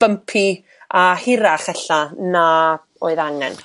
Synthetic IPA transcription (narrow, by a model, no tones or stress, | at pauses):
b̥əmpʰi | ahɪɾaχɛɬana | oːɨðaŋɛ̰n